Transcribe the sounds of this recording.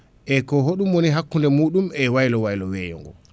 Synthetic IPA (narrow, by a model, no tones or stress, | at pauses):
ʔɛkɔɦoɗumwoniɦakːundɛmuːɗumɛwajlɔwajlɔwɛːjɔ̰ŋɡɔ̰